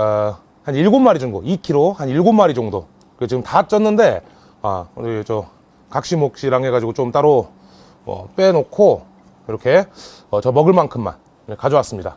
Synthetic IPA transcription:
a | haniɭɡomːaɾid͡ʑunɡoikʰiɾohaniɭɡomːaɾid͡ʑʌŋdo | kɯket͡ɕiɡɯmtaːt̚t͡ɕ͈ʌnːɯnde̞ | a̰t͡ɕʌ | kak̚ɕ͈imok̚ɕ͈iɾaŋɦe̞ɡad͡ʑiɡot͡ɕomt͈aɾo | ʌ̰p͈e̞nokʰo | iɾʌkʰe̞ | ʌt͡ɕʌmʌɡɯɭmankʰɯmːa̰n | ekad͡ʑʌwas͈ɯmɲida̰

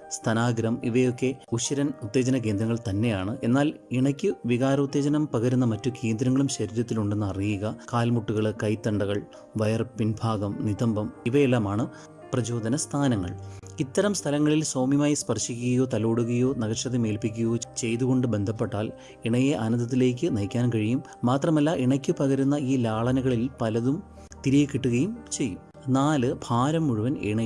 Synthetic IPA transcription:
st̪ʰɐnaːɡɾɐmiʋɐjo̞kːe̞uɕɐɾɐnut̪ːe̞ːd͡ʑɐnɐk̬e̞ːnd̪ɾɐŋːɐɭt̪ɐnːe̞jaːɳɨʔe̞nːaːliɳɐkʲːɨʋiɣaːɾɐut̪ːeːd͡ʑɐnɐmpɐɣɐɾunːɐmɐtːuke̞ːnd̪ɾɐŋːɐɭumɕɐɾiːɾɐt̪ːiluɳɖe̞nːɨɐrijiɣɐkaːlmuʈːuɣɐɭɨkɐjt̪ːɐɳɖɐɣɐɭ | ʋɐjɐrpinbʱaːɡɐmniðɐmbɐmiʋɐjelːaːmaːɳɨ | prɐd͡ʑo̞ːd̪ɐnɐst̪ʰaːnɐŋːɐ̰ɭit̪ːɐɾɐmst̪ʰɐlɐŋːɐɭilsoːmjɐmaːjispɐrʂikʲːuɣɐjo̞ːt̪ɐloːɽuɣɐjo̞ːnɐɣɐʂɐðeme̞ːlpikʲːujo̞ːt͡ɕe̞jt̪uɣo̞ɳɖɨbe̞nd̪ʱɐpːeʈːaːl | iɳɐjeʔɐnɐnd̪ɐt̪̬ːile̞ːk̬ʲːɨnɐjkʲːaːnkɐɻijumːaːt̪rɐmɐlːaʔiɳɐkʲːɨpɐɣɐɾunːɐiːlaːɭɐnɐɣɐɭilpɐlɐðum | t̪iɾijekːiʈːuɣɐjumt͡ɕe̞jːum | naːlɨbʱaːɾɐmːuɻuʋɐnḛɳɐ

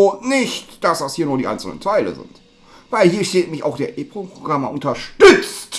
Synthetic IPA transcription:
ʊntnɪçtd̥asd̥ashiːɐnuːɐdiːʔa̰ɪnt͡sl̩nə̰ntʰaɪlə̰zɪ̰nt | vaɪlhiːɐʃteːtmɪça̰ʊxd̥eːɐʔeːpʁopʁoɡʁamɐʔʊntɐʃtʏt͡st

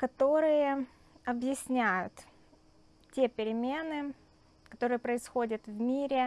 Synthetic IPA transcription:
kɐt̪o̞ɾɨjə | ɐbjɪsʲnʲæjʊ̰t̪ | tʲe̞pʲɪɾʲɪmʲenɨ | kɐt̪o̞ɾɨjəpɾəɪsxo̞dʲɪt̪vmʲiɾʲɪ

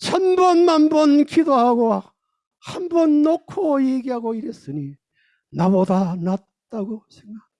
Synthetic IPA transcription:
t͡ɕʰanbʌnmanbʌnkidoɦaɡo | hambʌnːokʰojeɡiɦaɡoiɾes͈ɯni | nabodanat̚ | t͈aɡosʰeŋɡa

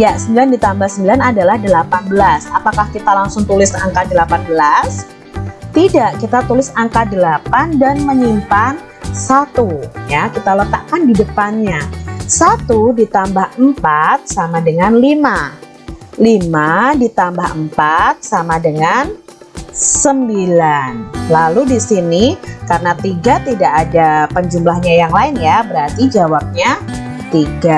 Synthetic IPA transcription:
jasəmbilandit̪ambahsəmbilanadalahdəlapanbəlasapakahkit̪alaŋsʊŋt̪ulɪsa̰ŋkadəlapanbəlas | t̪idaʔkit̪at̪ulɪsaŋkadəlapandanməɲimpan | sat̪ujakit̪alət̪a̰ʔkandidəpanɲasat̪udit̪ambahəmpat̪̚samadəŋanlima | limadit̪ambaɦəmpat̪̚samadəŋan | səmbilanlaludisinikarənat̪iɡat̪idaʔːdapəɲd͡ʒumlahɲajaŋlaɪnjabəɾart̪id͡ʒawap̚ɲa | t̪iɡa

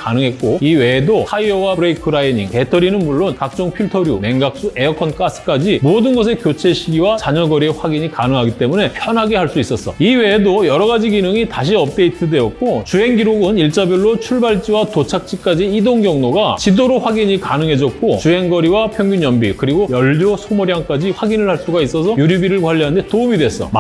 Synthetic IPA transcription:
kanɯŋɦe̞t̚k͈oiwe̞ːdosaiʌwabɾeikʰɯɾaiɲiŋte̞tʰʌɾinɯnmuɭːonkak̚t͡ɕ͈ʌŋpʰiɭtʰʌɾjune̞ŋɡak̚s͈ue̞ʌkʰʌnk͈as͈ʰɯ̥k͈ad͡ʑimodɯnɡʌs̬ʰe̞kjot͡ɕʰe̞ɕʰiɡiwat͡ɕaɲʌɡʌɾieɸwaɡiɲikanɯŋɦaɡit͈e̞mune̞pʰjʌnɦaɡeɦaɭs͈uis͈ʌs͈ʌ̰iwe̞ːdojʌɾʌɣad͡ʑiɡinɯŋitaɕʰiʌp̚t͈e̞itʰɯde̞ʌt̚k͈ot͡ɕuɦe̞ŋɡiɾoɡɯniɭt͡ɕ͈abjʌɭːot͡ɕʰuɭbaɭt͡ɕ͈iwatot͡ɕʰak̚t͡ɕ͈ik͈ad͡ʑiːdoŋɡjʌŋnoɡat͡ɕidoɾoɸwaɡiɲikanɯŋɦe̞d͡ʑʌt̚k͈ot͡ɕuɦe̞ŋɡʌɾiwapʰjʌŋɡuɲjʌmbḭkɯɾiɡojʌʎːosʰomoɾjaŋk͈ad͡ʑiɸwaɡinɯɭhaɭs͈uɡais͈ʌsʰʌjuɾibiɾɯɭkwaʎːiɦandetoumidwes͈ʌ̰

